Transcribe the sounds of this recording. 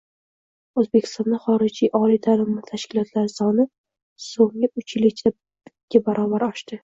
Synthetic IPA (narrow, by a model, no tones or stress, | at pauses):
ɵzbe̞kʲʰɪ̥st̪ɒnd̪aχɒɾɪd͡ʒijʔɒlijd̪ʰalɪmːat̪ʰaʃkʲʰɪlˠɒt̪ʰlaɾsɒnɪ | soŋɪʔʊt͡ʃlɪt͡ʃ̪ʰḁ | ɡʲabaɾʔɒbaɾɒʃt̪ɪ